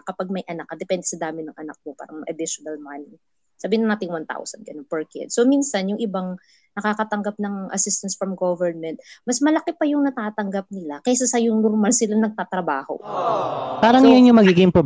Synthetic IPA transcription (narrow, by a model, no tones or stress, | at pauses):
kɐpaɡ̚mɐjʔɐnakːɐd̪ɛpɛnd̪ɛsɐd̪aːmɪnɐŋʔɐna̰k̚mopa̰ːɾɐŋmɐjʔɐd̪ɪʃʊnɐlmanɪ | saːbiːɪnɐnaːt̪ɪŋwant̪a̰wsɐnɡɐnonpɛɹkɛ̰d̪sominsɐnjʊŋʔɪbaŋ | nɐkaːkɐt̪ɐŋɡɐp̚nɐŋʔɐ̰sɪst̪ɐnsfɾɐmɡovɛɹnmɛnt̪̚mɐsmɐlɐkɪpɐjʊŋnɐt̪aːt̪ɐŋɡɐp̚nɪlakɛsɐsɐjʊŋnoɾmalsɪlɐnɐɡ̚t̪aːt̪ɾɐba̰ːho̞̰ | paːɾɐŋjanjʊmɐɡiːɡɪŋpɾob